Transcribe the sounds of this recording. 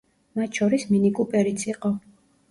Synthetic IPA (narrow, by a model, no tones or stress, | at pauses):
mat̪ʃɔɾisminikʼupʼɛɾit̪sʰiqʼɔ